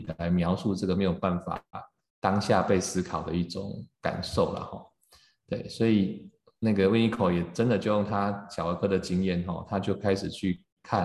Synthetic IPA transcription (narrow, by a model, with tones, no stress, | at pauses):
d̪əa˨˧˦ɪmjɑ˧˥ʊsu˥˧ʈ͡ʂɤ˥˩ɡə˩me˧˥ɪjo˨˩ʊpa˥˩nfa̰˨˩ | t̪ɑ˥ŋɕja˥˧pe˥˩ɪsɹ̩˥kʰɑ˨˩ʊd̪ə˦i˥˩ʈ͡ʂʊ̰˨˦ŋka̰˨˩nʂo˥˩ʊlə̰˩xɔ̰˥˩ | t̪we˥˩ɪswɔ˧˥i˨˩ | na˥˩ɡə˩wi˥˧ni˥˩kʰo˨˩ʊjɛ˨˩ʈ͡ʂə˦nd̪ə˨t͡ɕjo˥˧ʊjŋt̪ʰa˦ɕjɑ˨˩a˧˥kʰɤ˥d̪ə˨t͡ɕi˥ŋjɛ˥˨nxɔ̰˨˩t̪ʰa˦˥t͡ɕjo˥˩ʊkʰa˥ɪʂɻ̩˨˩t͡ɕʰy˥˩˧ | kʰa˥˨n